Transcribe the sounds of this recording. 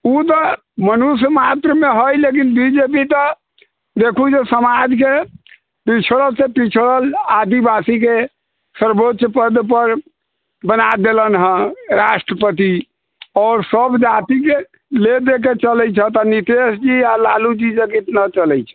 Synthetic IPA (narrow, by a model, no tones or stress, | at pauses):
ut̪ɔ | mənusmat̪ɾəmeɦojlekinbid͡ʒep̬it̪ə | d̪ekʰud͡ʒesəmad͡ʒke | pit͡ʃʰɾəlsepit͡ʃʰɾəlad̪ibasike | səɾbotʃəpəd̪pəɾ | bənad̪elənɦə̃ɾasʈɾəpət̪i | ɔːɾsəbd͡ʒat̪ike | led̪ek̬et͡ʃəlɛjt͡ʃʰət̪ənit̪esd͡ʒialalud͡ʒid͡ʒeɡit̪nat͡ʃəlɛjt͡ʃʰɛ̥